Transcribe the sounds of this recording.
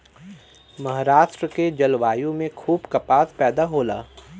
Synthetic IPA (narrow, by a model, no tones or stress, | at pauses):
mɐɦɾaːʃʈɾəked͡ʒɐlʋaːjõmẽkʰuːbkɐpaːspɛːd̪aɦoːla̰ː